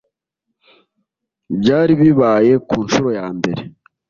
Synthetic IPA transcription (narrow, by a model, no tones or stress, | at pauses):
bɟaːɾiβiβaːje̞kuːnʃuɾo̞jaːmbe̞ɾe̞